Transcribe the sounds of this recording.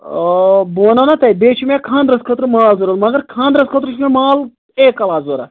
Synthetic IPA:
boːnɐnɐt̪ɐjbeːt͡ʃʰumekʰãːnd̪ɾɐskʰɐt̪ɾɨmaːlzoɾɐlmɐɡɐɾkʰaːnd̪ɾɐskʰɐt̪ɾɨʃʰumʲemaːl | eːkːɐlaːzoɾɐ̰

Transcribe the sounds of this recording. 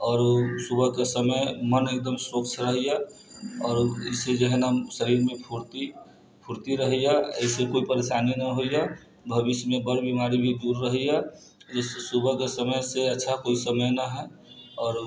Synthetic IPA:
ɔːɾsubʱəɦkesəməjmənek̚d̪əmsɾoksɾəɦija | ɔːɾəsed͡ʒəɦnasəɾiːɾmẽpʰuɾt̪i | pʰuɾt̪iɾəɦijaə̰ɪsekoːipəɾesaninaɦoija | bʱəbismẽbəɾbimaɾibʱid̪uɾːəɦija | d͡ʒəssubʱəkesəməjseətːʃʰakoisəməjnaɦɛ | ɔːɾ

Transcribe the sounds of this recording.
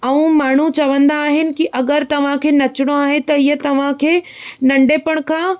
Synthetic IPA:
ɐũmaːɳ̤ut͡ɕɐʋə̃nd̪aːɦɪnɪ̆kiʔɐɡəɾt̪ɐʋ̤ãkʰeːnɐt͡ɕɪɽ̃oaːɦẽt̪ɐiɦət̪ɐʋ̤ãkʰeː | nɐ̃ɳɖeːpəɽ̃kʰãː

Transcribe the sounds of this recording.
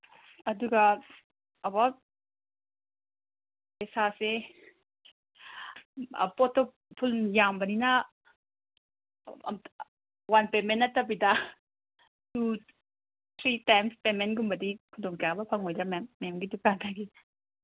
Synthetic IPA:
ɐduɡɐ | ɐbawt̚ | esase | poto | pʰuljambɐninɐ | wanpemenːɐtɐbidɐ | tu | t̪ʰɾitajmspemenɡumbɐdikʰudoŋkabɐpʰɐŋɦojdɾamemːemɡidukatʰaɡi

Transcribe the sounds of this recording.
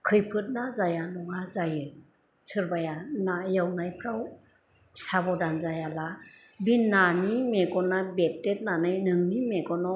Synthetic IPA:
kʰɯjpʰɯt̚nazajanɔŋazajɯ | sʰɯɾbajanajawnajpʰɾaw | sabɔdanzajala | binːanimeɡɔnabep̚tet̚nanɯjnɯŋnimeɡɔnɔ

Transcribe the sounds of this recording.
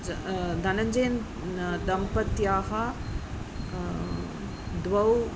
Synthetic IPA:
d̪ʱɐnɐɲd͡ʒeːn | d̪ɐmpɐt̪jaːɦɐ | d̪ʋɐw

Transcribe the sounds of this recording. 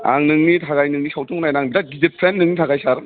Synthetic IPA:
a̰ŋnɯŋnitʰaɣajnɯŋnisawtʰuŋnajnaŋbidadidipʰɾenːɯŋnitʰaɡajsaɾ

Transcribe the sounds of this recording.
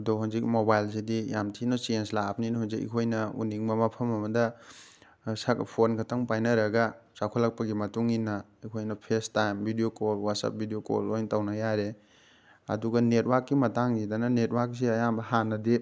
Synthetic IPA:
dɔɦunzik̚mobajlsidijamtʰinosenslap̚ninɦunzikḭkʰojnɐṵniŋmɐmɐpʰɐmɐmɐdɐ | sakpʰonkʰɐtaŋpajnɐɾɐɡɐsakʰolːak̚pɐɡimɐtuŋinɐ | ikʰojnɐpʰestajmbʱidijokolwat̚sa̰p̚bʱidijoko̰lojŋtawnɐjaɾe | ɐ̰duɡɐnet̚wakːimɐtaŋɡidanɐnetwak̚s̬iɐjambɐhanɐde

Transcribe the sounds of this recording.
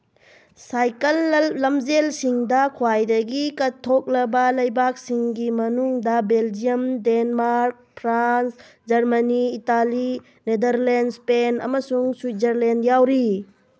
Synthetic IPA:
sajkɐlːɐmzelsiŋdɐkʰwajdɐɡikɐtʰːok̚lɐbɐlɐjbak̚siŋɡimɐnuŋdɐbeld͡ʒijɐmdenmaɾk̚pʰɾans | d͡ʒɐɾmɐniːtali | nedɐɾlendspenɐ̰mɐsuŋswuzɐɾlendjawɾi

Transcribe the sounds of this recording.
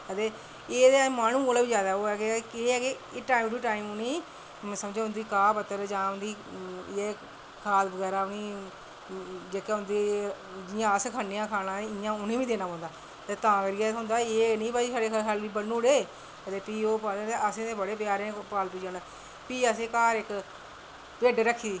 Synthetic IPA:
ət̪eː | eːd̪emaːnũːɡoːleːbiːd͡ʒjaːd̪aːoːɛːkekeːɛːke | eːʈaːimʈuiːʈaːiːmʊnĩː | səmd͡ʒeːɦʊ̃nd̪iːkaːpət̪ːəɾd͡ʒãːʊnd̪iːeː | kʰaːlbəɡɛːɾaːniː | d͡ʒeːkeːɦʊ̃nd̪iː | d͡ʒɪːãːəskʰaːneãːkʰaːnãːɪãːʊnĩːʋiːd̪eːnaːpãːnd̪aː | t̪eːt̪ãːkɾiːɛːsɦʊ̃nd̪aːeːnĩːpaisaːɽeːkːkʰalʋiːbəũːɽeː | kət̪eːpiːoːpãːd̪ẽːt̪eːəsẽːt̪eːbəɽeːpjaːɾẽːpaːlpiːd͡ʒãːnaː | piːəsẽːkaːɾɪk | peːɖeɾəkʰːiːiː

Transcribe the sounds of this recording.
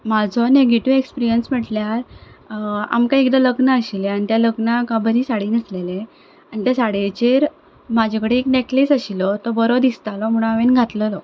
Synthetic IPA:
mad͡zʱɔneɡeʈiʋekspiɾijənsm̤əʈljaɾ | a̰mkaekd̪ələɡnəːɕileanit̪jaləɡnakabʱəɾisaɽiːnislele | aɳit̪jasaɽet͡ɕeɾ | mad͡ʑʱekəɽeːkneklisaɕilɔt̪ɔbəɾod̪ist̪alɔmuɽ̃aaʋenɡʱat̪ləlɔ

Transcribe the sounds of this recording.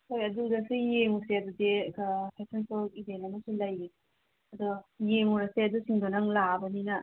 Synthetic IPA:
hojɐdudɐsujeŋuseɐdudekpʰesensokidenɐmɐsulɐjɡi | ɐd̪ujemuɾɐseɐdusiŋdonɐŋlabɐninɐ

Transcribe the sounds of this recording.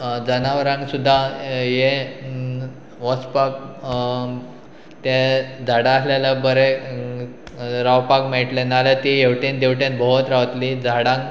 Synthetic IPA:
d͡zənaʋəɾãŋɡsud̪ʱːaje | ʋəspak̚ | t̪ed͡zʱaɽãːsljalabəɾe | ɾawpakmeʈlenalet̪ijeʋʈind̪ewʈjẽnt̪̚bʱəɦot̪ɾaʋt̪lid͡zʱaɽãŋɡ

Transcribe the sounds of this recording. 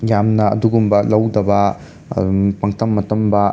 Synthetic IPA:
jamnɐɐ̰duɡumbɐlɐwdɐbɐ | pɐŋtɐmːɐtɐmbɐ

